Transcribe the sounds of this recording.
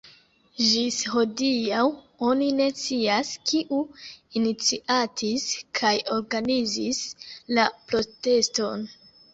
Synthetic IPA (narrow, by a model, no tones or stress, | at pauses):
ʒisho̞diaw | o̞nine̞t͡siaskʰiʔuinit͡siʔatʰiskʰajo̞ɾɡanizislapɾo̞te̞sto̞n